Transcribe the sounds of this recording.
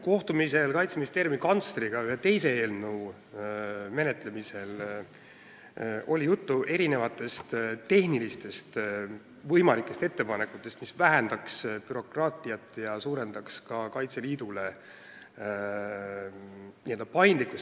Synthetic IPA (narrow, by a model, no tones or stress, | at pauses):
ko̞ht̪umise̞lkɑjt̪sminist̪eːɾjumikɑnt̪sɾiɡ̥ɑyhet̪e̞jse̞eːlnəw | me̞ne̞t̪ːˑle̞mise̞l | o̞lʲijut̪ːuʔe̞ɾine̞vɑt̪ːˑe̞st̪t̪e̞ɦnilist̪e̞st̪ | vɤjmɑlikːˑe̞st̪e̞t̪ːe̞pɑne̞kːut̪ːˑe̞st̪misvæɦend̪̥ɑkspyɾo̞krɑːt̪ˑijɑt̪ːˑjɑsuːɾe̞nd̪̥ɑkskɑkɑjt̪seliːd̪̥ule̞ | nie̞ld̪̥ɑpɑjnd̪likːˑus